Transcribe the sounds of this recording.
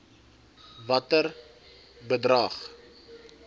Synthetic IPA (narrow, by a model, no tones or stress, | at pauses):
vɐtər | bədrɐːχ